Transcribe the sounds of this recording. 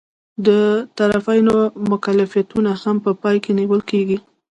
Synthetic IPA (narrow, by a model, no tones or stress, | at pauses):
d̪ət̪aɾafajnomʊkalafijat̪unahampəpɑjkeniwəlkeɡi